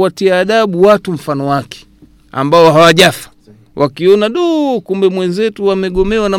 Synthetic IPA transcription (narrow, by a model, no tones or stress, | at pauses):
atiaːɗaɓuwatum̩fanɔwakɛ̥ | a̰mbaɔɦawaʄafḁ | wʔakiɔnaɗukumbɛmwɛnzɛtuwamɛɡɔmɛwana